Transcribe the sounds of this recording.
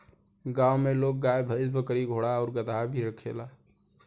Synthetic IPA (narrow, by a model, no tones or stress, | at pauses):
ɡawmelok̚ɡajbʱəsbəkəɾiɡʱoɽaɔːɾɡəd̪abʱiɾəkʰela